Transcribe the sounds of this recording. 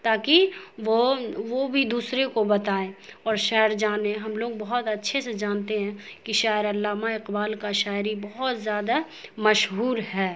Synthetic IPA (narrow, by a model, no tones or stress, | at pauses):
t̪aːkiʋoʋobʱid̪uːsɾekobɐt̪aːeɔːɾʃɛːəɾd͡ʒaːneɦɐmloːɡ̚bɐɦʊt̪ɐtːʃʰesed͡ʒaːnt̪eɦɛ̃kiʃaːjəɾɐlːaːmaɪqbaːlkaʃaːɪɾibɐɦʊt̪zjaːd̪a | mɐʃɦuːɾɦɛː